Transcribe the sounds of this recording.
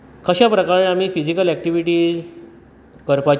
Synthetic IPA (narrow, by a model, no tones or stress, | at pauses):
kʰəɕapɾəkaɭeam̤iːfid͡ʑikəlɛk̚ʈiʋiʈiːd͡z | kəɾpat͡ɕ